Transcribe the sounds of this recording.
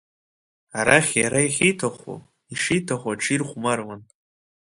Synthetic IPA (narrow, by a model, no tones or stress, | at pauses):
aɾaχʲjaɾaiχʲijtʰaχʷṵ | iʂijtʰaχʷaʈ͡ʂʰirχʷmarwan